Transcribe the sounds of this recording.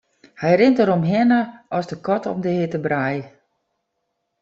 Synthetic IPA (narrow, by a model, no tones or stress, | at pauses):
hɛjrɪntəɾomɦɪnəɔsdəkɔtɔ̰mdəhɪtəbraj